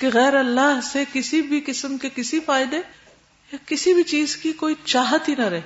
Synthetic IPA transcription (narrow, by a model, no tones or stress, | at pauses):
keɣɛːɾɐlːaɦsekɪsibʱikɪsəmkekɪsifaːɪd̪e | jakɪsibʱit͡ʃiːzkikoːit͡ʃaːɦət̪ɦinɐɾɛɦe